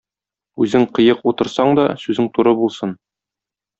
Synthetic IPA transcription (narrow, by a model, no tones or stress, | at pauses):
ʉzɘŋqɤ̆jɤqut̪ɤ̆ɾsɑɴd̪ɒsʉzɘŋt̪uɾɤbulˠsɤn